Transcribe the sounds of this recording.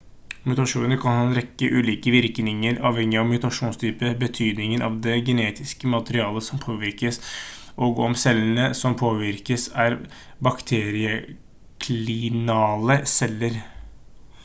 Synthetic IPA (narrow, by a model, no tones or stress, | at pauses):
mʉt̪ɑʂuːnəɾkʰɑnhɑːɛnɾɛkːəʔʉːliːkəʋɪɾknɪŋəɾɑːʋhɛŋːɪɑʋmʉt̪ɑʂuːnst̪ʰyːpəbət̪ʰyːd̪nɪŋənʔɑ̰ʋd̪ɛɡɛneːt̪ɪskəmɑt̪əɾɪɑːləsɔmpʰoːʋɪɾkəs | ʔɔɡɔmsɛlːənəsɔmpʰoːʋɪɾkəsæɾ | bɑkt̪ʰeːɾɪə | kʰlɪnɑːləsɛlːəɾ